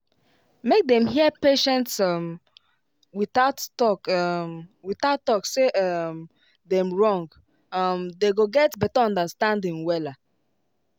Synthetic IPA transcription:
mek̚dɛ̃mɦiəpeʃɛ̃ntsʌm | wiθaʊttɔk | wiθaʊtɔkseʔʌm | dɛ̃mɹɔ̃ŋɡ | ʌmdeɡoɡɛtbɛtaɔ̃ndəstãndĩŋwɛla

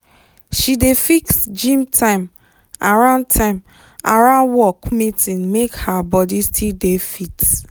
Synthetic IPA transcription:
ʃidefiksd͡ʒĩmtʰãɪ̃m | aɹãʊ̃nd̚tʰãɪ̃m | a̰ɹãʊ̃nwɔkmitĩnmekhabɔdistʰildefit

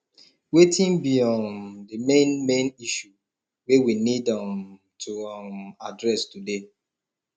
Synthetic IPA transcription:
wetĩnbiɔ̃ndimẽnmẽniʃu | wewinidãm | tʰuama̰dɹɛstude

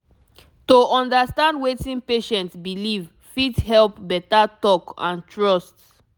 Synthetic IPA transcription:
toɔ̃ndastãndwetĩnpeʃɛ̃ntsbiliv | fithɛlpbɛtatɔkã̰ntʰɹɔst

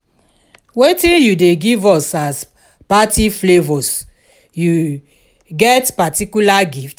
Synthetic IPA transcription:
wetĩnjudeɡivɔsas | patiflevɔs | ju | ɡɛtpatikulaɡift

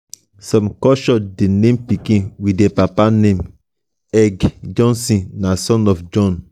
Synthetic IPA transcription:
sɔ̃mkɔʃɔdenẽmpikĩnwidɛpapanẽm | ɛɡd͡ʒɔ̃nsĩnasɔ̃nɔfd͡ʒɔ̃n

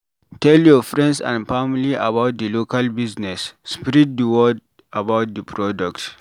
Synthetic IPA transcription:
tɛljɔfɾɛ̃ndsã̰nfamiliʔabawt̚dəloːkalbiznɛsːpɾid̚dəwɔd̚ | abawt̚dəpɾɔdɔkt

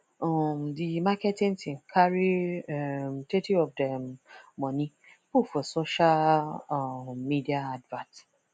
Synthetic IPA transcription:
ɔmdimakɛtĩntĩŋkʰaɾiɛmtetiɔfdɛmmɔ̃nĩ | fofɔsoʃal | midiaadvãnt

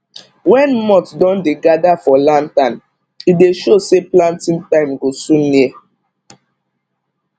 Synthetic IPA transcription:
wɛ̃nmɔtdɔ̃ndeɡadafɔlãntãn | ideʃoseplãntĩŋtãɪ̃mɡosũnːiɛ

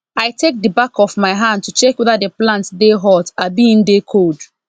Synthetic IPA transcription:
aɪtʰek̚dibakɔvmaɪɦãnd̚tut͡ʃɛkweðadeplãntdeɦɔtabiĩndekʰold

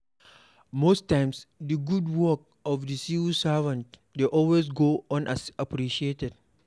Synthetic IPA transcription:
mostːãj̃msdəɡudwɔk̚ɔfdisisavãnt | deʔɔlwes̬ɡoɔ̃nʔasapɾiʃietɛd̚

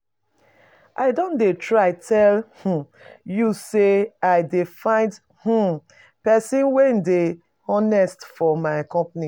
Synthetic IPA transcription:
ʔaɪdõndetʰɹaɪtʰɛlh̩ | juseaɪdefãɪ̃nd | h̩ | pɛsĩnwende | ɔnɛstfɔmaɪakɔ̃mpni

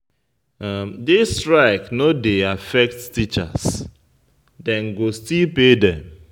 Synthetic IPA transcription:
amdestɹaɪknodeafɛk̚ttit͡ʃa̰s | dɛ̃nɡostilpedɛ̃m

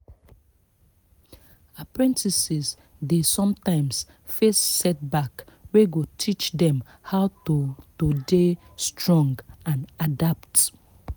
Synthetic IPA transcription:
apɹɛ̃ntʰisiz | desɔ̃mtãɪ̃ms | fessɛt̚bakweɡotʰit͡ʃdɛ̃m | haʊotode | stʰɹɔ̃ŋɡãnadapt

